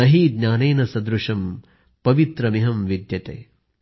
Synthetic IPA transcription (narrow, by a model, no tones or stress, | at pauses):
ɐɦid̪nʲaːneːnɐsɐd̪ɾuʂɐm | pɐʋit̪ɾɐmiɦɐmʋid̪jɐt̪ḛː